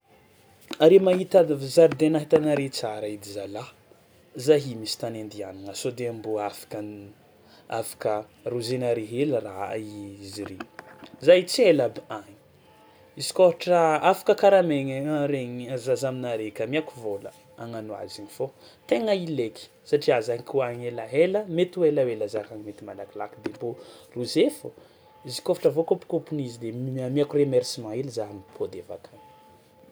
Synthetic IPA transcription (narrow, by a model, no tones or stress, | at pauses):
aɾemaɦit̪azaɾd̪enaɦit̪anaɾet͡saɾaid̪izala | zaɦimisi̥t̪anend̪ia̰niŋasod̪eambuafḁkan | afḁkəruzenaɾeɦeləɾa̰iiziɾezajt͡sielabiaɲi̥ | isi̥koɾuʈ͡ʂəafḁkəkaɾameŋɾeɲazazaminaɾekʲamiakuvolə̰ | aŋanua̰ziɲifo | t̪eŋəileki̥ | saʈ͡ʂiazaɲikuaɲelaɦeləmet̪uelawelazakaŋimet̪imalakilakd̪emboruzefu | izi̥kofaʈ͡ʂəvokopu̥kopunizid̪emamiakuremɛɾsimãelizanpʰod̪eva̰kʰan